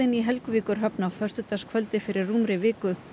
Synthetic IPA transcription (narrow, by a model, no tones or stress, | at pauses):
ɪniɦɛlkʏviːkʏɾ̥ɦœpnawfœrst̪ʏt̪askʰvœlt̪ɪfɪɾɪrːuːmɾɪvɪːkʏ